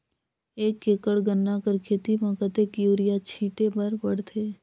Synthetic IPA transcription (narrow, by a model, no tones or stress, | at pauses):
eːkːeːkəɽɡənːakəɾkʰeːt̪imãkət̪ekjuːɾɪjat͡ʃʰĩːʈebɐɾbəɽt̪ʰeː